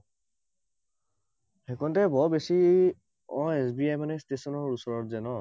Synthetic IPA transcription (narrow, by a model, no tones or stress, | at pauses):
hɛkɔntɛbɔbesi | ɔ̃esbiajmanɛstesɔnɔɹusɔɹɔtzɛnɔ